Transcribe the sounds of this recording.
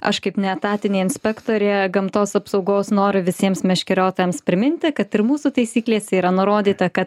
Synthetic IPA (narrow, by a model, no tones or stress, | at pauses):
ɐ̰ʃkɐɪpnʲɛt̪ɑːt̪ʲɪnʲeːɪnʲsʲpʲɛkt̪oːɾʲeːɡɐmt̪oːsɐpsɒʊɡoːsnoːɾʲʊʋʲɪsʲiɛmsmʲɛʃʲkʲɪɾʲoːt̪oːjɛmspʲɾʲɪmʲɪnʲt̪ʲɪkɐt̪ɪɾmuːsut̪ɐɪsʲiːklʲeːsʲɛiːɾɐnʊɾoːd̪ʲiːt̪ɐkɐt̪